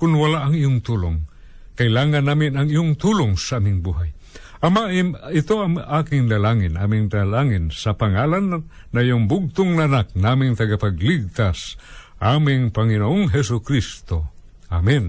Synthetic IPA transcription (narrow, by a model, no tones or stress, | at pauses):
kʊnwalaʔɐŋijʊŋt̪uloŋ | kaɪlaːŋanːaːmɪnɐŋijʊŋt̪ulʊŋsaʔaːmɪŋbuɦaj | ʔɐmaʔɪt̪oaŋʔaːkɪŋlalaŋɪnʔaːmɪŋlalaŋɪnsɐpaŋalanː | aijʊŋbʊɡ̚t̪ʊŋnaʔanak̚naamɪŋt̪ɐɡapaɡliɡ̚t̪as | ʔamɪŋpaŋinoʔoŋɦɛsʊkɾist̪o | ʔamin